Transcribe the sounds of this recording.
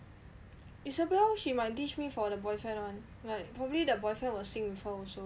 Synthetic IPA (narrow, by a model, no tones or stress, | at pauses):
isəbaʃimaɪt̚tit͡ʃmifɔdəbɔjfɛ̃nãn | laɪpʰɹɔbəblidəbɔjfɛ̃nwɔlsĩŋbifɔɔso